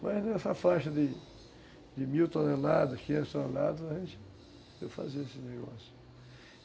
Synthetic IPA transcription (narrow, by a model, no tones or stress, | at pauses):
maznɛsɐfaʃɐd̪ɪ | d̪ɪmiwt̪onelad̪ɐʃkiẽst̪onelad̪ɐzɐʒẽnt͡ʃɪ | ewfa̰ziɐesɪneɡɔ̰sjʊ̥